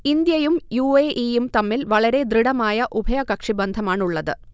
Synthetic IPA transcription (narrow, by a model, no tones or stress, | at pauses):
ind̪jɐjumjuːeʔijumt̪ɐmːilʋɐɭɐɾe̞d̪riɽɐmaːjɐʔubʱɐjɐkɐkʂibɐnd̪ʱɐmaːɳuɭːɐðɨ